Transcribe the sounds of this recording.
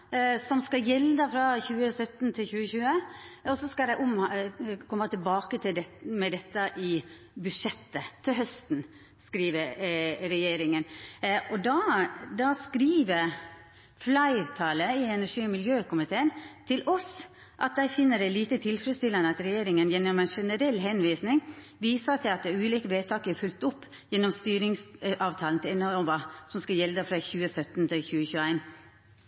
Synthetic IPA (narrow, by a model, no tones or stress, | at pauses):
sɔmskɑjɛld̪əfɾɑçʉːəsœt̪ːnt̪ʰɪlçʉːəçʉːəɔsɔskɑld̪æɪʔʊmkʰɔmːət̪ʰɪlbɑːkət̪ʰɪld̪ɛmɛd̪ɛt̪ːəʔɪ | bʉʂɛt̪ːət̪ʰɪlɦœst̪n | skɾiːʋəɾɾɛjeːɾɪŋənʔɔd̪ɑd̪ɑskɾiːʋəɾ | flɑɪɾt̪ʰɑːləɪɛnæʂiːɔmɪljøːkʊmɪt̪ʰeːənt̪ʰɪlʔɔs | ʔɑt̪̚d̪æɪfɪnːəɾɛɪliːt̪ət̪ʰɪlfɾɛst̪ɪlɑnəɑt̪ɾɛjeːɾɪŋənjɛnːɔmæɪnʂɛnəɾɛlːɦɛnʋiːsnɪŋ | ʋiːsɑt̪ʰɪlɑt̪̚d̪ɛʉːliːkəʋeːt̪ʰɑːkəɛɾfʉlt̪ʊpː | jɛnːɔmst̪yːɾɪŋsʔɑːʋt̪ʰɑːlnt̪ʰɪlɛnːʋɑsɔmskɑljɛld̪əfɾɑçʉːəsœt̪ːnt̪ʰɪlçʉːəçʉːəæɪn